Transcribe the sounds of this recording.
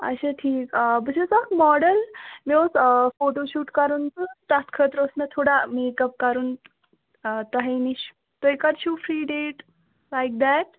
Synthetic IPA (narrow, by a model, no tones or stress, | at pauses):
ɐ̰ʃeʈʰiːkːbəsʰezakmɔɽəlmiosfoʈoɕuːʈkɐɾuːnt̪ut̪at̪kʰəːt̪ɾosmet̪ʰoːɽamekɐp̚kɐɾuːn | t̪ɐɦeniɕ | t̪oekaɾt͡ʃuːfɾiːɖeːʈ | lajk̚d̪ɛʈ̚